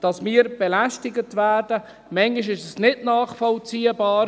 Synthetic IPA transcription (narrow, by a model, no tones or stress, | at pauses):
d̥ɑsmiːəɾb̥ɛlæstɪɡətʋæːɾdə | mɛŋɡiʃɪʃɛsnɪtnɑːχfɔlt͡siːəbɑːɾ